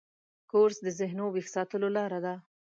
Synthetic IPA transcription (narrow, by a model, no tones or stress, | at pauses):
koɾsd̪əzɪɦnowixsɑt̪əlolɑɾad̪a